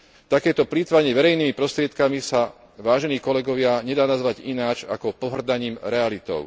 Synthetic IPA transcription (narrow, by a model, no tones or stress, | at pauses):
t̪akɛːt̪ɔpliːt̪ʋaɲɛʋɛɾɛjniːmipɾɔst̪ɾɪɛt̪kamisa | ʋaːʒɛniːkɔlɛɡɔʋɪaɲɛd̪aːnazʋaɟinaːt͡ʃa̰kɔpɔɦr̩d̪aɲiːmɾɛalit̪ɔ̰ʊ